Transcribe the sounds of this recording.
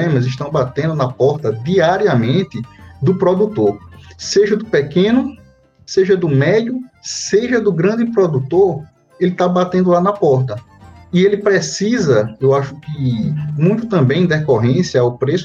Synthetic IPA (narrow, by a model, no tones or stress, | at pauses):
ẽmɐzɪʃt̪ɐ̃w̃bat̪ẽnd̪ʊnɐpɔɾt̪ɐd̪iaɾiɐmẽt̪ɪd̪ʊpɾɔd̪ut̪oɾseʒɐd̪ʊpekẽnʊ | seʒɐd̪ʊmɛd̪jʊseʒɐd̪ʊɡɾɐ̃nd̪ɪpɾɔd̪ut̪oɾ | elɪt̪abat̪ẽnd̪ʊlanɐpɔɾt̪ɐielɪpɾesizɐewaʃʊ̥kɪmũj̃t̪ʊt̪ɐ̃mbẽj̃d̪ɛkoɦẽsjɐawpɾes